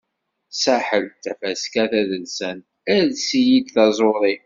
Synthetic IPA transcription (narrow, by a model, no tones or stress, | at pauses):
saħəlt̪ːæfæskæθæðəlsən | æðsijid̪θɑzˤoɾˤi